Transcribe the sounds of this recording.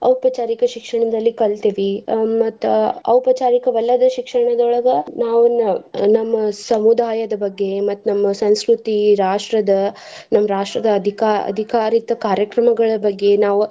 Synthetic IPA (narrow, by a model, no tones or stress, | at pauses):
ɐ̰wpɐt͡ʃaːɾikɐʃikʂɐɳɐd̪ɐlːikɐɭt̪iːʋimɐt̪ːuɐ̰wpɐt͡ʃaːɾikɐʋɐlːɐd̪ɐʃikʂɐɳɐd̪ɔɭɐɡɐnaːʋunɐnɐmːɐsɐmud̪aːjɐd̪ɐbɐɡːe̞mɐt̪ːunɐmːɐsɐ̃ñskɾut̪iɾaːʂʈɾɐd̪ɐ | nɐmːɐɾaːʂʈɾɐd̪ɐɐd̪ʱikaɐ̰d̪ʱikaːɾit̪ɐkaːɾjɐkɾɐmɐɡɐɭɐbɐɡːe̞naːʋu